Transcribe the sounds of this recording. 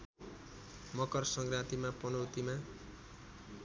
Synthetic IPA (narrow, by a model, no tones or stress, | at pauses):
mʌkʌrsʌŋɡrat̪imapʌnʌwt̪ima